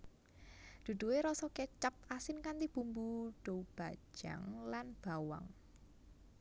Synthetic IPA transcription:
d̪̥ṳd̪̥ṳweɾɔsɔket͡ʃəp̚asɪnkant̪ib̥umbuɖ̥oub̥a̤̥d͡ʒ̥ʒ̥a̰ŋlanb̥awa̰ŋ

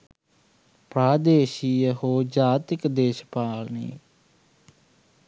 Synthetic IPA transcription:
pɾaːd̪eːʃiːɦoːd͡ʒaːt̪ɪkd̪eːʃpaːlnḭː

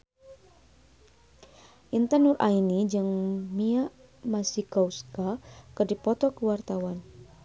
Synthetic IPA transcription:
ʔint̪ənurʔainid͡ʒɨŋmiaʔ | masikɔuskakərdipɔt̪ɔkəwart̪awan

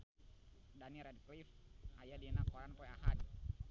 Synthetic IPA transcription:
daniɾɛdklifajadinakɔɾanpɔjaɦad̚

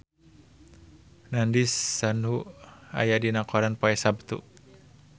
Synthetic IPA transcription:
nandisːanua̰jadinakɔɾanpɔɛsab̚t̪ṵ

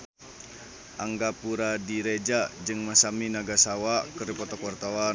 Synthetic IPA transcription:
ʔaŋɡapuɾadiɾed͡ʒad͡ʒɨŋmasaminaɡasawakəripɔt̪ɔkwart̪awa

